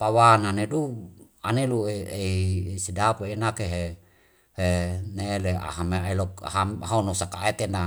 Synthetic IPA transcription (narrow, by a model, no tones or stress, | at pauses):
pawananeduanelueeisidapoenakeɦe | heneelea̰ɦameelɔkɦamhaunosakaet̪ena